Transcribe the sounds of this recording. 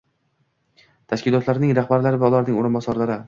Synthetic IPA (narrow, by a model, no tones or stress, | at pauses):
t̪ʰaʃkʲɪlˠɒt̪laɾnɪŋɾaχbaɾlaɾɪvaʊlˠaɾnɪŋoɾɪnbɒsɒɾlaɾɪ